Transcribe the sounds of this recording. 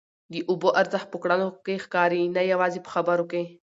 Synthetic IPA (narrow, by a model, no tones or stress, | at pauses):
d̪iʔuboʔɐɾzaxpukɽanokexkɑːɾinajawaːzipə̥xabaɾoke